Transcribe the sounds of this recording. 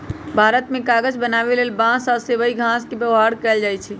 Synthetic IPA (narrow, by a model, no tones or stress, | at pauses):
bʱaɾət̪mẽkaɡəd͡ʒbənaβelelbãsɔsebəiɡʱãskebjəwɦaɽkəɛld͡ʒajt͡ʃʰɛ